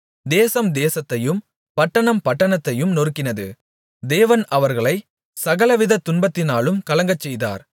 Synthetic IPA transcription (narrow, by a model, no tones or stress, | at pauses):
d̪eːsɐmd̪eːsɐt̪ːɐjɯm | pɐʈːɐɳɐmpɐʈːɐɳɐt̪ːɐjɯmnɔɾɯkːɪnɐðɯ̰ | d̪eːʋɐnʔɐʋɐɾɣɐɭɐɪ | sɐɣɐlɐʋɪðɐt̪ːʊnbɐt̪ːɪnaːlɯmkɐlɐŋɡɐt͡ʃːɛjða̰ːɾ